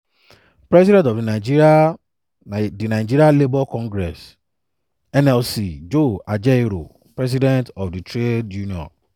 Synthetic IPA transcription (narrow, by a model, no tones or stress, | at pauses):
pɾɛs̬idɛ̃ntɔvdinad͡ʒia | dinaɪd͡ʒiɾialebɔkɔ̃ŋɡɾɛs | ɛnɛlsid͡ʒoad͡ʒɛɾo̰ | pɾɛs̬idɛ̃ntɔfditɾed͡ʒuniɔ̰n